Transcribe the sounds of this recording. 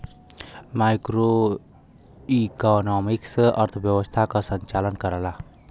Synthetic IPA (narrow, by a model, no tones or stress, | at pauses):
majkɾo | ikɔnɔmiksə̰ɾt̪ʰəbjəwəst̪ʰakasəɲt͡ʃalənkəɾala